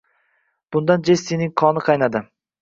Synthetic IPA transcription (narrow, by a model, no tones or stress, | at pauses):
b̥ʊnd̪and͡ʒest̪inɪŋqʰɒnɪqʰɑjnad̪ɪ